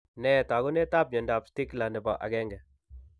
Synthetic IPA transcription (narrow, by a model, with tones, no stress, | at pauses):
nɛ˦˨ta˨ɡʊ˦nɛ˦ta˦p̚ɲɔ˨nda˨psti˦kla˨nɛ˨bɔ̰˨ʔa̰˨ɡɛ˦ŋɡɛ˨